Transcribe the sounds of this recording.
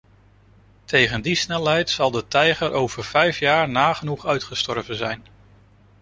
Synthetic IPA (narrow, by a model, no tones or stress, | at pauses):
tʰejχəndisnɛlˠɦɛjtsɑlˠdətɛjχəɹʔowv̥əɹv̥ɛjfjaːɹnaːχənuχœɥtχəstɔɹvənzɛjn